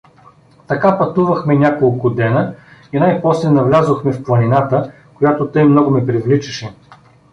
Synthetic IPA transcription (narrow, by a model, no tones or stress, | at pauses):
t̪ɐkapɐt̪uvɐxmɛnʲakolˠkʊd̪ɛnəinajpɔslɛnɐvlʲazoxmɛfplˠɐninat̪ə | kojat̪ot̪ɤjmnɔɡʊmɛpɾivlit͡ʃɐ̥ʃɛ